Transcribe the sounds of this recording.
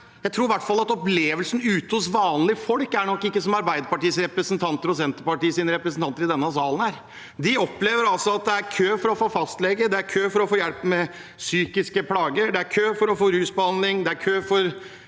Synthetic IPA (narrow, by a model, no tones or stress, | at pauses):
jæɪt̪ʰɾuːɾʋæʈːfɑlːɑt̪ɔpleːʋəlsn̩ʉːt̪əʊsʋɑːnlɪfɔlkæɳɔkːɪkːəsɔmɑɾbæɪd̪əpɑʈiːəsɾɛpɾəsnt̪ʰɑnt̪əɾɔsɛnt̪əɾpɑʈiːəsiːnəɾɛpɾəsn̩t̪ɑnt̪əɾɪd̪ɛnːəsɑːlən̩æɾ | d̪ɪɔpleːʋəɾɑlsɔɑt̪̚d̪ɛæɾkʰøːfɔɾɔfoːfɑst̪lɛɡəd̪ɛæɾkʰøːfɔɾɔfoːjɛlpmɛ | syːkɪskəpʰlɑːɡəɖɛæɾkʰøːfɔɾɔfoːɾʉːsbəhɑnd̪lɪŋd̪ɛæɾkʰøːfɔɾ